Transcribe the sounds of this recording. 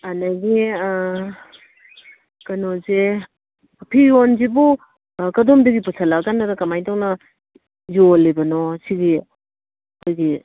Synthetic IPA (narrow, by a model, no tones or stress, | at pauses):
anɐɡi | kɐnoze | pʰionzibu | kɐdomdɐɡipusʰɐlakanːɐdɐkɐmajtaŋnɐ | zolibɐnosiɡi | ɐkʰojɡi